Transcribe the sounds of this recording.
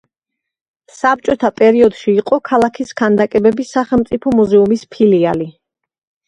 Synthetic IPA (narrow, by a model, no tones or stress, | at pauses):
sap̚t͡ʃʼɔt̪ʰapʼɛɾiɔd̪̥ʃiːqʼɔkʰalˠakʰiskʰand̪akʼɛbɛbisaχɛlˠmt̪sʼipʰɔmuzɛumispʰiliali